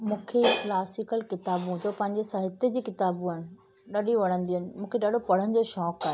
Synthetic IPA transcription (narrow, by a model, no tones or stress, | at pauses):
mũːkʰeklaːsɪkəlkɪt̪aːbũd͡ʑoːpɐ̃ɦɪ̃ɲd͡ʑesɐɦɪt̪ed͡ʑiːkɪt̪aːbũaːɪɽ̃ɪ | ɗɐɗiʋɐɽ̤ə̃nd̪iənɪ̆mũːkʰeɗaːɗʱopɐɽ̤ənɪ̆d͡ʑeːʃɔːkaːɦe